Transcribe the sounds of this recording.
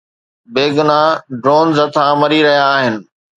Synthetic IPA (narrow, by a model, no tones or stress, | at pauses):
beːɡʊnaɖɾoːnzɐt̪ʰãːmɐɾiɾɐɦijaːɦɪnɪ̆